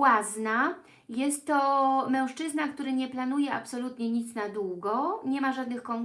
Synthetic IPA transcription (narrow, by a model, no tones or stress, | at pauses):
wazna | jɛst̪ːɔmɛ̃w̃ʂt͡ʂɘznakt̪uɾɘɲɛplanujɛa̰psɔlut̪ɲɛɲit̪snad̪wuɡɔɲɛmaʐad̪nɘxkɔŋ